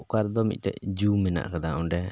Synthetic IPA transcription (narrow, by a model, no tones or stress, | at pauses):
ukaɾd̪ɔmit̪̚ˀtɛ̰ʔd͡ʒumɛna̰ʔkad̪aɔ̃ɖɛ